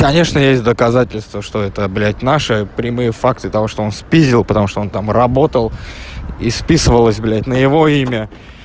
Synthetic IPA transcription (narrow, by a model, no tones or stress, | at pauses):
kɐnʲe̞ʂnəjesʲt̚ʲd̪əkɐzatʲɪlʲst̪vəʂt̪o̞ɛt̪əblʲætʲnaʂɨpɾʲɪmɨjəfakt̪ɨt̪ɐvo̞ʂt̪oo̞nspʲizʲɪlˠpət̪ɐmuʂt̪oo̞nt̪amrɐbo̞t̪əlˠispʲisɨvəlˠəsʲblʲætʲnəjɪvo̞imʲə